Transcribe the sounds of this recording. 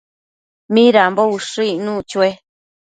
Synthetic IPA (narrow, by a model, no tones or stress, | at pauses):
mĩɾambouʂɨinũt͡ʃue